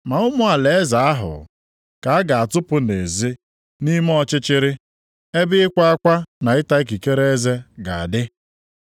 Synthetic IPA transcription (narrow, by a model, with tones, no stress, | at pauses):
ma˨ʊ˦mʊ˦a˨le˨e˦za˨a˦ɦʊ̰˨ | ka˨a˦ɡa˨a˨tʊ˦pʊ˦ne˨zi˦ | ni˦m˦ɔ˦t͡ʃɪ˦t͡ʃɪ˦ɾɪ˦ | e˦bɪ˦ɪ˦kʷa˦a˦kʷa˦na˨ɪ˦ta˦i˦k̬i˨ke˦ɾe˦e˦ze˦ɡa˨a˨dɪ˦